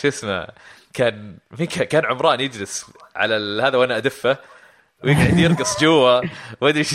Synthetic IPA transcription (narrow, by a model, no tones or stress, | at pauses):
ʃɪsma̰ | kʰaːnmiːkakaːnʕʊmɾˤɑːnjɪd͡ʒlɪsʕa̰lahaːðawʔanaʔad̪ɪfːa | wjɪɡʕɪd̪jɪɾɡɨsˤd͡ʒʊwːawʔad̪ɾiʃ